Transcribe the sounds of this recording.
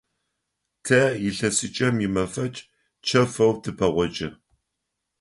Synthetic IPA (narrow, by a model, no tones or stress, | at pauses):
tʰɐjɪɬɐsɨt͡ʃʼɐmjɪmɐfɐt͡ʃʼ | t͡ʃʰɐfɐwtʰɨpʰɐʁʷɔt͡ʃʼɐ